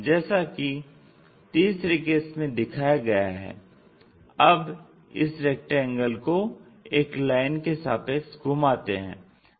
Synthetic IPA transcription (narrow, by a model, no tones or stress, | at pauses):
d͡ʒɛːsaki | t̪iːsɾekeːsmẽd̪ɪkʰaːjaɡɐjaɦɛ̰ː | ɐb | ɪ̰sɾɛːk̚ʈɛ̃ŋɡəlko | eːklaːɪnkesaːpeksɡuːmaːt̪eɦɛ̰̃ː